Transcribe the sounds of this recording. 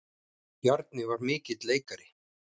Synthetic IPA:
jaɾt̪nɪvaɾmɪːcɪt̪leːjkaɾɪ

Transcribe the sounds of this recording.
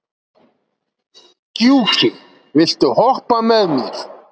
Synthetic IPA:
cuːxɾɪ | vɪl̥t̪ʏhɔhpamɛðmiɾ̥

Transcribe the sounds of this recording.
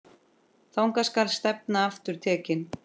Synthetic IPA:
θawŋkaskalst̪ɛp̚naaft̪ʏɾ̥t̪ʰɛːcɪn

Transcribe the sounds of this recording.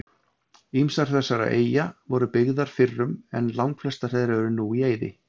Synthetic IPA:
imsaɾ̥θɛsːaɾa̰ʔḛːjavɔɾʏpɪɣðaɾ̥fɪrːʏmɛnlawŋkflɛst̪aɾ̥ɛðɾɛɾʏnuːieːjðɪ̰

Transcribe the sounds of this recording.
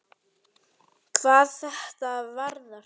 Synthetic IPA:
kʰvaːðθɛht̪aðvaɾna

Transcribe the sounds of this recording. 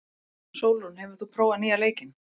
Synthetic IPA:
soːwlunhɛvʏɾ̥θupʰɾoːwvanialeːjcɪn

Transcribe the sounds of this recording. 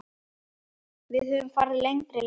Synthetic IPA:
vɪðhœvʏmfa̰ɾðlejŋt̪ɾɪl

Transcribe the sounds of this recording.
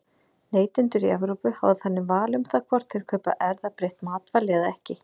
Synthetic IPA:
neːjt̪ʏnt̪ʏɾiavɾuːpʏha̰vðɪθanːɪmvaːlʏmθakʰvɔr̥t̪θɪɾ̥kʰœːpa̰ʔɛɾðapɾejht̪maːt̪valɛːðaɛhcɪ

